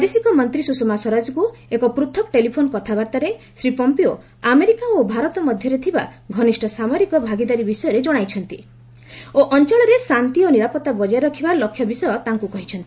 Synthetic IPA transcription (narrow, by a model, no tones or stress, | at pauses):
pɔd̪esikɔmɔnt̪ɾisusomasɔɾad͡ʒkuekɔpɾut̪ʰɔk̚ʈelipʰonɔkɔt̪ʰabaɾt̪aɾe | sɾipɔmpio | ameɾikaobʱaɾɔt̪ɔmɔd̪ʱjɔɾet̪ʰibaɡʱɔnisʈɔsamɔɾikɔbʱaɡid̪aɾibisɔjɔɾed͡ʒɔɽ̃ajt͡ʃʰɔnt̪i | oʔɔnt͡ʃɔɭɔɾesant̪iɔniɾapɔt̪ːabɔd͡ʒaɾɔkʰibalɔkʰjɔbisɔjɔt̪aŋkukɔɦit͡ʃʰɔnt̪i̥